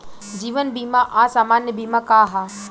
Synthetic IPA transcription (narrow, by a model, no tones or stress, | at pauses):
d͡ʒiːʋənbiːmaʔaːsaːmaːnjəbiːmakaːɦa